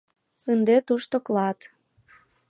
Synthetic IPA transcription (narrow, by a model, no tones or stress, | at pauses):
ənd̪et̪uʃt̪oklɑt̪